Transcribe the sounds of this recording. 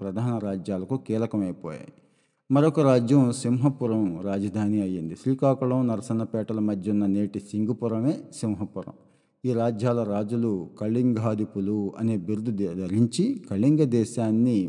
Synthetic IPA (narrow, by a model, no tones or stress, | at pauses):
pɾɐd̪ʱaːnɐɾaːd͡ʒjaːlɐkukiːlɐkɐmɐjpɔ̰ːja̰ːji | mɐɾokɐɾaːd͡ʒjɐmsimɦɐpuɾɐmɾaːd͡ʒɐd̪ʱaːniɐjind̪iʃɾiːkaːkuɭɐmnɐɾɐsɐnɐpɛːʈɐlɐmɐd̪ʱjunːɐneːʈisiŋɡupuɾɐme̞ːsimɦɐpuɾɐ̰m | iːɾaːd͡ʒjaːlɐɾaːd͡ʒulukɐɭːiŋɡʱaːd̪ipuluɐ̰neːbiɾd̪uɐɾiɲt͡ʃikɐɭːiŋɡɐd̪ɛːʃaːnːi